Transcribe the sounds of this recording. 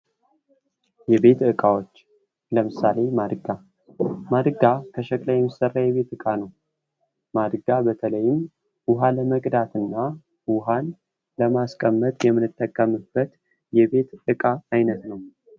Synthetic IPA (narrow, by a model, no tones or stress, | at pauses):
jɛβe̞t̪ɨkʼawot͡ʃː | ləmɨsale̞mad̪ɨɡa | mad̪ɨɡakʰəʃəkʼlajɛmisərːajɛβe̞t̪ɨkʼanəw | mad̪ɨɡabət̪ʰələjːɪm | wʊɦaləməkʼd̪at̪ɨnːa | wʊɦan | ləmaskʼəmːət̪ʼjɛmːɨnɨt̪ʼːəkʼːəmɨb̥ːət̪ | jɛβe̞t̪ɨkʼaːjnət̪nəw